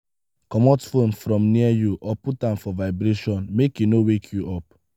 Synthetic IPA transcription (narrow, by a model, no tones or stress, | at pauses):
kɔmɔtfonfɾɔ̃mniajuʔɔputãmfɔvaɪbɾeʃɔ̃nmekjunowekʰjuʔɔp̚